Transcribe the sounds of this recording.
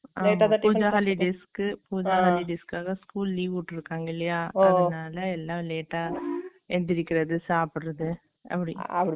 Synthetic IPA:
ʔaleːmʈːaaʈuːd͡ʒɐɦaːlɪɖeːskɯpuːd͡ʒɐɦaːlɪɖeːskaːɣɐskuːlliːʋʊʈːɯɾɯkːaːŋɡɐɪlːɐjaːɐɯnaːlɐɛlːãːleːʈːaː | ɛnd̪ɪɾɪkːɪɾɐðɯsaːpɪɾɐðɯ | ʔɐ̰pːɐɽiɐpːɐ

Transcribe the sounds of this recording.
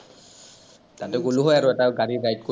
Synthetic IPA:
tatɛɡuluɦɔjaɹʊɛtaɡaɹiɹajt̚ko

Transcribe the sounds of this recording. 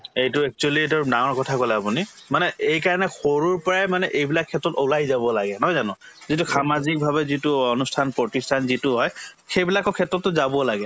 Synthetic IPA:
ejtʊɛk̚t͡ʃualietɔnãɔɹkɔtʰakolɛapunimanɛejkaɹɔnɛxoɹuɹpɔɹajmanɛʔejbilakʰːɛtɹɔtolajzabɔlaɡɛnɦɔjzanɔ̃ | zitusamazik̚bʱaβɛzitʊonustʰanpɔtistʰanzitʊɦɔj | xejbilakʊkʰɛtɹɔtːʊzabɔlaɡɛ

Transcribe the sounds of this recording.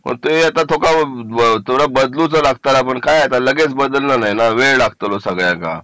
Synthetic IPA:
mə̰ɾt̪ueat̪at̪ʰokat̪ʰoɽabəd̪lut͡səlaɡ̚t̪aɾapəɳkajat̪aləɡet͡sbəd̪əlnanaɦinaʋeɭlaɡt̪əlosəɡɭjaka̰

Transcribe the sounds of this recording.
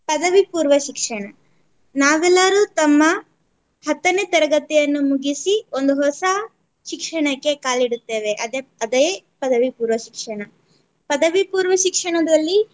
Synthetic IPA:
pɐd̪ɐʋipuːɾʋɐʃikʂɐɳɐ | naːʋɛlːɐɾut̪ɐmːɐ | hɐt̪ːɐnet̪ɐɾɐɡɐt̪ɛjɐnːumuɡisio̞nd̪uɦɔsɐ | ʃikʂɐɳɐkːe̞kaːliɽut̪ːe̞ːʋe̞ʔɐd̪eɐd̪epɐd̪ɐʋipuːɾʋɐʃikʂɐɳɐ | pɐd̪ɐʋipuːɾʋɐʃikʂɐɳɐd̪ɐlːi

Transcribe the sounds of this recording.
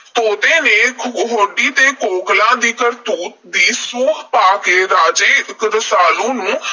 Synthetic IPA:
t̪oːd̪eːneːɦoːɖiːt̪eːkoːklãːd̪iːkəɾt̪uːt̪̚d̪iːsuːkpaːkeːɾaːd͡ʒeːɪkɾəsaːlũːnũː

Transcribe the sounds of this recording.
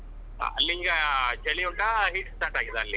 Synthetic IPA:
ɐlːiːɡɐd͡ʒɐɭiuɳʈɐɦiʈsʈaːɾʈaːɡid̪eɐlːi

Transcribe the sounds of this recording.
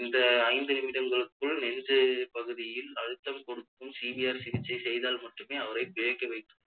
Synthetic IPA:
ɪnd̪ɐːɪnd̪ɯɪmɪɽɐŋɡɐɭɯkːɯɭnɛndɯpɐɣɯðɪjɪlɐɻɯt̪ːɐmkɔɽɯkːɯmsibiaːɾsɪðɪt͡ʃːɐɪsɛjðaːlmɐʈːɯmeːɐʋɐɾɐɪpɔjɐkːɐɪʋɐɪʈ̪ːɯm

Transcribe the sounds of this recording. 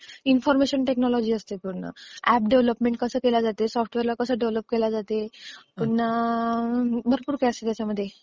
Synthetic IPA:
infɔɾmeɕəɳʈeknɔlɔd͡ʑiːəst̪ekoɾna̰æp̚ɖeʋləpmeɳʈ̚kəsəːkelad͡zat̪esɔfʰʈʋeɾlakəsəːɖeʋləp̚kelad͡zat̪epona | bʱəɾpuːɾkajəst̪et̪jat͡ɕaməd̪ʱːje

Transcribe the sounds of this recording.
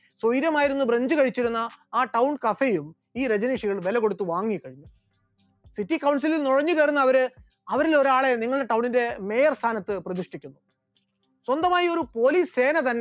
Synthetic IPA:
sojiɾjɐmaːjiɾunːubreɲd͡ʑɨkɐɻit͡ɕːiɾunːɐaːʈɐwɳɖkɐfejum | iːɾed͡ʑɐniʂiɣɐɭʋe̞lɐɣo̞ɽut̪ːuʋaːŋːikɐɻiɲːu | siʈːikɐwɳs̬ililnuɻɐɲːukeːɾunːɐːʋɐɾɨ | ɐʋɐɾilo̞ɾaːɭe̞niŋːɐɭɨɖeʈɐwɳinde̞me̞jɐrst̪ʰaːnɐt̪ːɨprɐd̪iʂʈikʲːunːu | swond̪ɐmaːjio̞ɾupo̞ːliːsse̞ːnɐt̪ɐnːe

